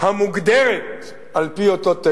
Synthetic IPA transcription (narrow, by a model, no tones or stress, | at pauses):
hamuɡd̪eɾet̪ | alpiot̪ot̪ːe